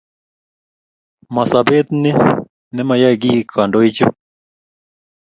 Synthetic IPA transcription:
ma˨sa˨be˦t̪nɪ˦ | nɛ˦ma˨ja˦ɡi˦kʰa˨ndɔ˦i˦t͡ʃɔ̰˦

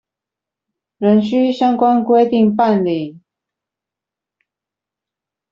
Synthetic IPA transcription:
ɻə˧˦˥nɕy˥ɕjɑ˥ŋkwa˥nkwe˥ɪt̪i˥˨ŋpa˥˧nli˨˩

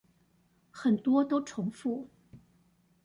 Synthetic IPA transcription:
xə˨˩nt̪wɔ˥t̪o˥ʊʈ͡ʂʰʊ˧˥ŋfu˥˩

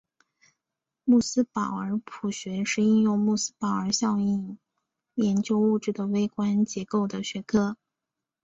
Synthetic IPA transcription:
mu˥˩sɹ̩˥pɑ˨˩ʊə˞˧˥pʰu˨˩ɕɥɛ˧˥ʂɻ̩˥˧i˥˧njʊ˥˧ŋmu˥˩sɹ̩˥pɑ˨˩ʊə˞˧˥ɕjɑ˥˧ʊi˥˩n | jɛ˧˥nt͡ɕjo˥ʊu˥˧ʈ͡ʂɻ̩˥˩d̪ə˩we˥ɪkwa˥nt͡ɕjɛ˧˥ko˥˩ʊd̪ə˩ɕɥɛ˧˥kʰɤ˥

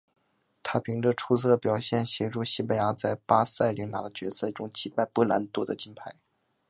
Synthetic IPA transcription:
t̪ʰa˥pʰi˧˥ŋʈ͡ʂə˧ʈ͡ʂʰu˥sɤ˥˩pjɑ˨˩ʊɕjɛ˥˩nɕjɛ˧˥ʈ͡ʂu˥˩ɕi˥˩pa˧˩ja˧˥t͡sa˥˩ɪpa˥sa˥˩ɪli˧˥nna̰˨˩d̪ə˦t͡ɕɥɛ̰˧˥sɤ˥˩ʈ͡ʂʊ˥ŋt͡ɕi˧˥pa˥˧ɪpɤ˥˩la˧˥nt̪u˥˩d̪ə̰˨t͡ɕi˥npʰa˥˩ɪ

